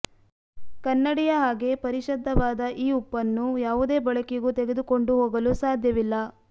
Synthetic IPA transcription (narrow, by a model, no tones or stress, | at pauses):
kɐnːɐɽijɐɦaːɡe̞pɐɾiʃɐd̪ʱːɐʋaːd̪ɐʔiːupːɐnːujaːʋud̪e̞ːbɐɭɐkeɡut̪eɡe̞d̪uko̞ɳɖuɦoːɡɐlusaːd̪ʱjɐʋilːɐ